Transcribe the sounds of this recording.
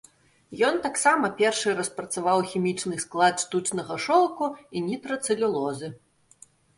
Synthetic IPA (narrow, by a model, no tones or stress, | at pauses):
jɔnt̪aksamɐpʲɛrʂɨɾɐspɾɐt̪savawxʲimʲit͡ʂnɨsklˠat̪ʂt̪ut͡sʲnɐɣɐʂɔlˠkuinʲit̪ɾɐt̪sɨlʲulˠɔzɨ